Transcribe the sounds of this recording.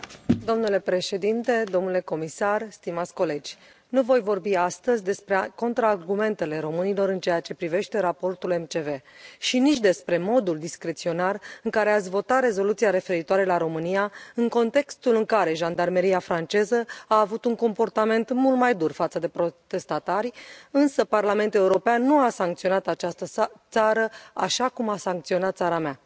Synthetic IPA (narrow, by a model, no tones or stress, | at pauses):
d̪o̞mnule̞pɾe̞ʃe̞d̪int̪e̞d̪o̞mnule̞ko̞misarst̪imat̪sʲko̞le̞d͡ʒʲ | nuvo̞jvo̞rbiast̪əzʲd̪e̞spɾe̞ko̞nt̪ɾaːrɡume̞nt̪e̞le̞ɾo̞mɨnilo̞ɾɨnt͡ʃe̞jat͡ʃe̞pɾive̞ʃt̪e̞ɾapo̞rt̪ule̞mt͡ʃe̞ve̞ʃinit͡ʃʲd̪e̞spɾe̞mo̞d̪uld̪iskɾe̞t̪sio̞narɨŋkaɾe̞at̪sʲvo̞t̪at̪ɾe̞zo̞lut̪siaɾe̞fe̞ɾit̪oaɾe̞laɾo̞mɨnijaɨŋko̞nt̪e̞kst̪ulɨŋkaɾe̞ʒand̪arme̞ɾiafɾant͡ʃe̞zəaːvut̪uŋko̞mpo̞rt̪ame̞nt̪mult̪majd̪urfat̪səd̪e̞pɾo̞t̪e̞st̪at̪aɾʲɨnsəparlame̞nt̪ule̞uɾo̞peanːuasaŋkt̪sio̞nat̪at͡ʃast̪ət̪saɾəaʃakumasaŋkt̪sio̞nat̪̚t̪saɾamea